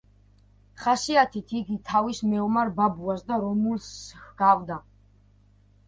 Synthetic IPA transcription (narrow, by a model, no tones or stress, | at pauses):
χasiat̪ʰit̪ʰiɡit̪ʰavismɛɔmaɾbabuasd̪aɾɔmulsɡ̥avd̪a